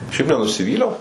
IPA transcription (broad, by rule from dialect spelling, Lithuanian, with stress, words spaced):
ˈʃʲɛɪp nʲɛnʊsʲɪˈʋʲiːlʲɛʊ